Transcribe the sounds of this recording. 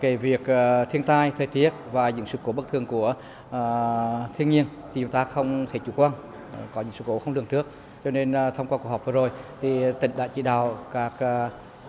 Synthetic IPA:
ke˧˩vi˨˩ək̚ːt̪ʰi˧ənt̪aː˧jt̪ʰəː˨˩jt̪i˦˥ət̚vaː˨˩ɲɨ̰˧˥ŋsɨ̰˧˨ko˨˦ɓə˦˥k̚t̪ʰɨ˨˩əŋku˧˩ə˨˩ | t̪ʰi˧əŋɲi˧ənt̪ʰi˨˩t͡ɕʊ˨˦ŋ͡mt̪aː˧xə˧wŋ͡mt̪ʰe˧˩t͡ɕṵ˧˩kwaː˧n˨ | kɔ˨˦ɲɨ̰˧˥ŋsɨ̰˧˨˩ko˨˦xə˧wŋ͡mlɨ˧˩əŋtɨ˦˥ək̚ | t͡ɕɔ˧ne˧n˨t̪ʰa˧ŋ͡mkwaː˧ku˧˩h̚vəː˨˩zo˨˩jt̪ʰi˨˩t̪ï˧˩ŋ̟ɗa̰ː˧˥t͡ɕḭ˧˩ɗa̰ː˧˨˩wkaː˦˥k̚ː

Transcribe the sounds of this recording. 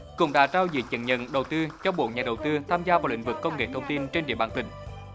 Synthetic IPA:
kʊ̰˧˥ŋ͡mɗa̰ː˧˥t͡ɕaː˧wzḭ˨˦t͡ɕə̰˧˨˦nɲə̰˧˨nɗə˨˩wt̪ɨ˧t͡ɕɔ˧ɓo̰˧˨ɲaː˨˩ɗə˨˩wt̪ɨ˧t̪ʰaː˧mzaː˧vaː˨˩wlḭ˧˥ŋ̟vɨ˨˩kːə˧wŋ͡mŋḛ˧˨t̪ʰə˧wŋ͡mt̪i˧nt͡ɕe˧nɗḭ˧˨əɓaː˧˩nt̪ï˨˩ŋ̟

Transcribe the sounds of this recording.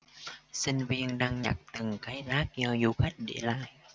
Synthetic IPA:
sï˧ŋ̟vi˧ənɗaː˧ŋɲa̰˨˩k̚t̪ɨ˨˩ŋkaː˨˦jzaː˦˥k̚zɔ˧zu˧xa˦˥jk̟̚ɗe˧˩la̰ː˧˨j

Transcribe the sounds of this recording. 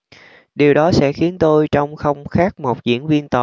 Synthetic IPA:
ɗi˨˩wɗɔ˨˦sɛ̰˧˥xi˨˦ənt̪o˧jt͡ɕɔ˧wŋ͡mxə˧wŋ͡mxaː˦˥k̚mo˨˩t̚zḭ˧˥ənvi˧ənt̪ə˨˩

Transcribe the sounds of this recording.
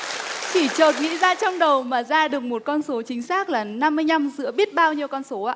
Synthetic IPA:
t͡ɕi˧˩t͡ɕəː˨˩t̚ŋḭ˧˥zaː˧t͡ɕɔ˧wŋ͡mɗə˨˩wmaː˨˩zaː˧ɗɨ˨˩ək̚mo˨˩t̚kɔ˧nso˨˦t͡ɕï˨˦ŋ̟saː˦˥k̚laː˨˩na˧mːɨ˧əjna˧mzɨ̰˧˥əɓi˦˥ət̚ɓaː˧wɲi˧əwkɔ˧nso˨˦ʔaː˧

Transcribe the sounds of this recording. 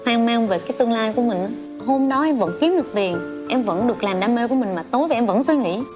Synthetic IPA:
aː˧ŋmaː˧ŋve˨˩kaː˨˦jt̪ɨ˧ŋlaː˧jku˧˩əmï˨˩ŋ̟ː˨ | ɦo˧mɗɔ˨˦ʔɛ˧mvə̰˧˥nki˨˦əmɗɨ˨˩k̚t̪i˨˩ən | ʔɛ˧mvə̰˧˥nɗɨ˨˩ək̚laː˨˩mɗaː˧me˧ku˧˩əmï˨˩ŋ̟maː˨˩t̪o˨˦jva˨˩ʔɛ˧mvə̰˧˥nswi˧ŋḭ˧˥

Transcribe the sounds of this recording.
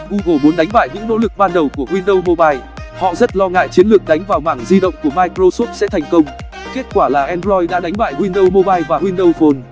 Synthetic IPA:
ʔu˧ɣo˨˩mu˨˦ənɗa˨˦jŋ̟ɓa̰ː˧˨jɲɨ̰˧˥ŋno̰˧˥lɨ˨˩k̚ɓaː˧nɗə˨˩wku˧˩əɦwi˧nɗə˧wmo˧ɓaː˧j | hɔ̰˧˨zə˦˥t̚lɔ˧ŋa̰ː˧˨jt͡ɕi˨˦ənlɨ˨˩ək̚ɗa˨˦jŋ̟vaː˨˩wmaː˧˩ŋzi˧ɗə̰˧˨wŋ͡mku˧˩əmaː˧jkɾo˧so˦˥t̚sɛ̰˧˥t̪ʰɛ˨˩jŋ̟kə˧wŋ͡m | ke˦˥t̚kwaː˧˩laː˨˩ʔɛ˧nzɔ˧jɗa̰ː˧˥ɗa˨˦jŋ̟ɓa̰ː˧˨jhwi˧nɗə˧wmo˧ɓaː˧jvaː˨˩hwi˧nɗə˧wfo˧n

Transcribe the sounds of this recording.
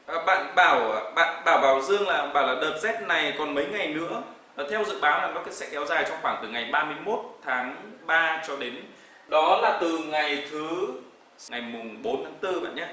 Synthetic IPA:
ʔəː˨˩ɓa̰ː˧˨nɓaː˧˩wɓa̰ː˧˨nɓaː˧˩wɓaː˨˩wzɨ˧əŋlaː˨˩ʔŋ͡mɓaː˧˩wlaː˨˩ɗəː˨˩t̚zɛ˦˥t̚na˨˩jkɔ˨˩nmə˨˦jŋa˨˩jnɨ̰˧˥ə˨˩ | t̪ʰɛ˧wzɨ̰˧˨ɓaː˨˦wlaː˨˩nɔ˨˦ka˨˦jsɛ̰˧˥kɛ˨˦wzaː˨˩jt͡ɕɔ˧wŋ͡mxwaː˧˩ŋt̪ɨ˨˩ŋa˨˩jɓaː˧mɨ˧əjmo˦˥t̚t̪ʰaː˨˦ŋɓaː˧t͡ɕɔ˧ɗe˨˦n | ɗɔ˨˦laː˨˩t̪ɨ˨˩ŋa˨˩jt̪ʰɨ˨˦ | ŋa˨˩jmʊ˨˩ŋ͡mɓo˨˦nt̪ʰaː˨˦ŋt̪ɨ˧ɓa̰ː˧˨nʔɲaː˨˧˦

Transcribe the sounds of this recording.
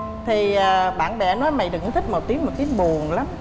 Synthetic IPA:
t̪ʰi˨˩əː˨˩ɓa̰ː˧˨nɓɛ̰˧˩nɔ˨˦jma˨˩jɗkt̪ʰï˦˥mo˨˩t̚t̪i˨˦əmo˨˩t̚t̪i˨˦əŋɓu˨˩əŋla˨˦m

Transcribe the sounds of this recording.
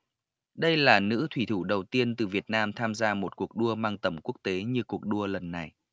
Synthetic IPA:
ɗə˧jlaː˨˩nɨ̰˧˥t̪ʰwi˧˩t̪ʰu˧˩ɗə˨˩wt̪i˧ənt̪ɨ˨˩vi˨˩ət̚naː˧mt̪ʰaː˧mzaː˧mo˨˩t̚ku˨˩ək̚ɗu˧əmaː˧ŋt̪ə˧˩mku˦˥ək̚t̪e˨˦ɲɨ˧ku˨˩ək̚ɗu˧ələ˨˩nːa˨˩j

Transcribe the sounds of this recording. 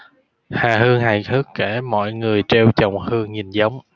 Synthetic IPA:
haː˨˩ɦɨ˧əŋha˨˩jt̪ʰɨ˦˥kːe˧˩mɔ̰˧˨jŋɨ˨˩əjt͡ɕe˧wt͡ɕə˨˩wŋ͡mhɨ˧əŋɲi˨˩nzə˨˦wŋ͡m

